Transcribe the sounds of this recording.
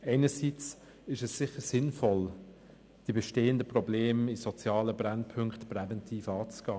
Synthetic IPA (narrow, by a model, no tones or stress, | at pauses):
eɪnəsiːt͡s | ɪʃɛsːɪχəsɪnfɔl | d̥ibɛʃteːəndəpʁɔbleːmisɔt͡sjɑːləbɾɛnpʰʏŋktprɛvɛntʰiːfɑːt͡sɡ̥aː